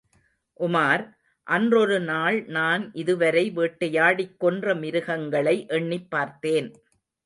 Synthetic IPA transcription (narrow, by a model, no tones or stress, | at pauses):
ʔʊmaːɾ | ʔɐndrɔɾɯnaːɭnaːnʔɪðɯʋɐɾɐɪʋeːʈːɐjaːɽɪkːɔndrɐmɪɾɯɣɐŋɡɐɭɐɪʔɛɳːɪpːaːɾt̪eːn